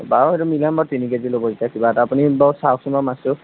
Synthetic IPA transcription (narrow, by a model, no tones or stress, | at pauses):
baweɾumilambatinikazilobɔzitakibatapunibawsawksumbamasu